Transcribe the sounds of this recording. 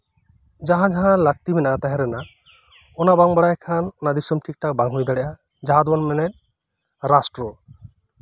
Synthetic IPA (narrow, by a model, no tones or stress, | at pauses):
d͡ʒaɦãd͡ʒaɦãlaɡ̚t̪ibʱɛnaʔat̪aɦɛ̃ɾɛna | ɔnabaŋbaɽajkʰanɔnad̪isɔmʈʰik̚ʈak̚baŋɦujd̪aɽɛʔa | d͡ʒaɦad̪bɔnmɛnɛt̪̚ | ɾasʈɾɔ